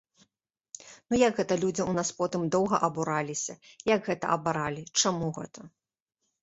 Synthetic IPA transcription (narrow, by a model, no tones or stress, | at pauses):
nujɐɡɣɛt̪ɐlʲud͡zʲiunaspɔt̪ɨmd̪ɔwɣɐʔɐbuɾalʲisʲɐjaɡɣɛt̪ɐ̰ʔɐbaɾalʲit͡ʂamuɣɛ̰t̪ʰɐ